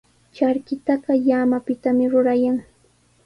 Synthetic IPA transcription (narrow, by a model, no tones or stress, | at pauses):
t͡ʃaɾkɪt̪ɑɢɑjaːmapɪt̪amɪɾʊɾajaŋ